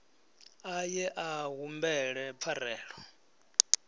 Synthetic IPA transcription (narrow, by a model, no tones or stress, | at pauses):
ajɛʔaɦumbɛɺɛp̪fʰarɛːɺɔ